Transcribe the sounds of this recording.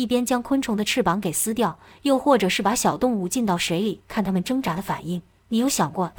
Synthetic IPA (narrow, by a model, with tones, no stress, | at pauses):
i˥˩pjɛ˥nt͡ɕjɑ˥ŋkʰwə˥nʈ͡ʂʰʊ˧˥ŋd̪ə˧ʈ͡ʂʰɻ̩˥˩pɑ˧˥ŋke˨˩ɪsɹ̩˥t̪jɑ˥˩ʊjo˥˧ʊxwɔ˥˩ʈ͡ʂɤ˨˩ʂɻ̩˥˩pa˧˥ɕjɑ˨˩ʊt̪ʊ˥˧ŋu˥˧t͡ɕi˥˧nt̪ɑ˥˩ʊʂe˧˥ɪli˨˩˦kʰa˥˩nt̪ʰa˥mə˨nʈ͡ʂɤ˥ŋʈ͡ʂa˧˥d̪ə˧fa̰˨˩ni˥˩ŋ | ni˧˥jo˧˥ʊɕjɑ˨˩ŋkwɔ˥˩